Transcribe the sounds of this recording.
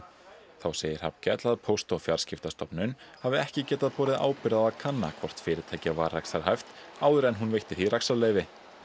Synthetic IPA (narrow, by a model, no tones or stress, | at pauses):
θawseːjɪɾ̥ha̰pcɛt̪laðpʰowst̪ɔfjaɾ̥scɪft̪ast̪ɔpnʏnhavɪɛhcɪcɛːt̪aðpɔːɾɪða̰ːwpɪɾaðakʰanːa̰kʰv̥ɔr̥t̪fɪːɾɪt̪ʰajcavaːɾːajksaɾɦajft̪ | aːwðʏɾɛnɦunvejht̪ɪθiɾaksaɾleːjvɪ